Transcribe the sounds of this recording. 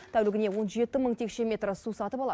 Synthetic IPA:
t̪ʰæwlɪɡʲɪne̞wo̞nʒe̞t̪ɪməɴt̪ʰe̞kʃe̞mʲe̞t̪rəsusɑt̪əpɑlˠɑ

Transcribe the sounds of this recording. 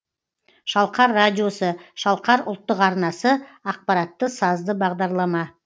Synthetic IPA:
ʃɑlˠqɑɾːadʲijo̞səʃɑlˠqɑɾʊ̰lˠt̪ːəqɑɾnɑsəɑq̚pɑɾɑt̪ːəsɑzd̪əbɑʁd̪ɑɾlˠɑmɑ

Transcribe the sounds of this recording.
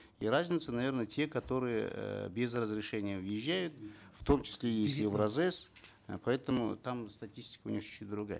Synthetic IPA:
iɾazʲnʲɪt̪sənɐvʲe̞rnətʲʰe̞kɐt̪o̞ɾɨjə̰bʲezrəzɾʲɪʂɛnʲɪjəvjɪʒːæjʊt̪ft̪o̞mt͡ɕɪ̥sʲlʲejesʲtʲɛvɾɐzɛs | pɐɛt̪əmʊ̰t̪amst̪ɐtʲisʲtʲɪ̥kəʊnʲixt͡ʃid̪ɾʊɡa̰jə

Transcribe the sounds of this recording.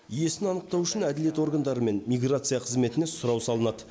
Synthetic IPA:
ije̞sɪnɑnəq̚t̪ɑwʏʃɪnæd̪ɪle̞t̪o̞rɡand̪ɑɾəme̞nmʲijɡrat̪sɨijaqʰəzme̞t̪ɪnesʊɾɑwsɑlˠənɑd̪ə

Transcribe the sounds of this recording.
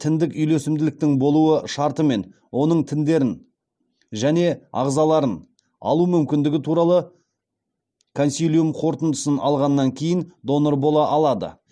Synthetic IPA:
t̪ʰɪnd̪ɪkʏjle̞sɪmd̪ɪlɪk̚t̪ɪŋbo̞lˠuəʃɑɾt̪əme̞n | wo̞nəɴt̪ʰɪnd̪e̞ɾɪn | ʒæne̞ɑ̰ʁzɑlˠɑɾən | ɑ̰lˠumʏmkʲɪnd̪ɪɡʲɪt̪ʰuɾɑlˠə | kʰonsijlʲijumqʰo̞ɾt̪ənd̪əsənɑ̰lˠʁɑnːɑŋkʲʰe̞jɪnd̪o̞noɾbo̞lˠɑʔɑlˠɑd̪ə̰

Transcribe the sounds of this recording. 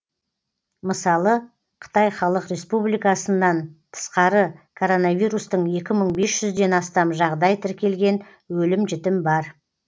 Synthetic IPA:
məsɑlˠə | qʰə̥t̪ɑjχɑlˠəqɾe̞spublijkɑsənːɑnt̪ʰə̥sqɑɾəkʰo̞ɾo̞navijɾust̪əɴje̞kʲɪməɴbe̞sʒ̥ʏzd̪e̞nɑst̪ɑmʒɑʁd̪ɑjt̪ʰɪɾkʲe̞lɡʲe̞n | wɵlɪmʒɪt̪ɪmbɑɾ

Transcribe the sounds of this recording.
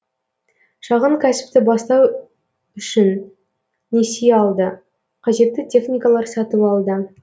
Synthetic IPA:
ʃɑʁəɴkʲʰæsɪ̥p̚t̪ɪbɑst̪ɑw | ʏʃɪnː | esejɑlˠd̪ə | qʰɑʒe̞t̪ːɪt̪ʰʲe̞χnʲijkalˠɑɾsɑt̪əpɑlˠd̪ə

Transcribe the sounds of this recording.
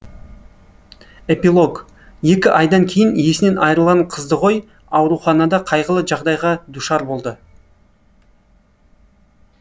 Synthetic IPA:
e̞pilˠo̞ɡ | je̞kʲɪʔɑjd̪ɑŋkʲʰe̞jɪnje̞sɪne̞nʔɑjɾəlˠʁɑɴqʰəzd̪əʁo̞j | ɑwɾuχɑnɑd̪ɑqʰɑjʁəlˠəʒɑʁd̪ɑjʁɑd̪uʃɑɾbo̞lˠd̪ə

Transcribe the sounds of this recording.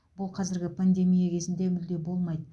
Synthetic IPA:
b̥ʊlˠqʰɑzɪɾɡʲɪpʰand̪e̞mijakʲʰe̞zɪnd̪e̞mʏld̪e̞bo̞lˠmɑjd̪ə

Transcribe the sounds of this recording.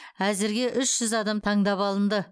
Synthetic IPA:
æzɪɾɡʲe̞ʔʏʃʒ̥ʏzɑd̪ɑmt̪ʰɑɴd̪ɑpɑlˠənd̪ə

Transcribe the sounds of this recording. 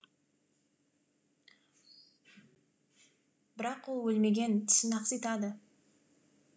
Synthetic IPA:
bɪɾɑqwolˠwɵlme̞ɡʲe̞nt̪ʰɪ̥sɪnɑqsijt̪ɑd̪ə

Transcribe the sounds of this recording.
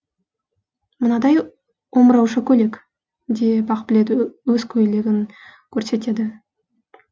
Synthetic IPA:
mənɑd̪ɑj | wo̞mɾɑwʃəkʲʰɵle̞kʲ | d̪ebɑqbɪle̞d̪ɪwɵzkʲʰɵjle̞ɡʲɪŋkʲʰɵɾse̞t̪e̞d̪ɪ

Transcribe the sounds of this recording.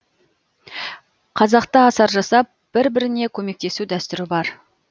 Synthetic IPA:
qʰɑzɑqt̪əɑsɑɾʒɑsɑp̚b̥ɪɾbɪɾɪne̞kʲʰɵme̞k̚t̪e̞sud̪æst̪ʏɾɪbɑɾ

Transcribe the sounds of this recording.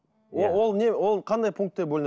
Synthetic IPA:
owo̞lˠnewo̞lˠqʰɑnd̪ɑjpʰuŋk̚t̪ːeboɵlɪn

